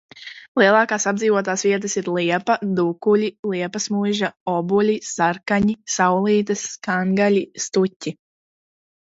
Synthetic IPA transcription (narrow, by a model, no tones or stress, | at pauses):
lˠiɛlˠɑːkaːsab̚d̪ziːvuɔt̪̬aːsviɛt̪̬əsiɾlˠiɛpad̪ukulʲilˠiɛpasmujʒaɔbulʲisaɾkaɲisawlˠiːt̪ɐskaŋɡalʲist̪utʲːi